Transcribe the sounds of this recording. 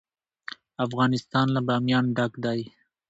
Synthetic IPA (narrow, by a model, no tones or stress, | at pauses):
afɣɑnɪst̪ɑnlabɑmjɑnɖakd̪ɑj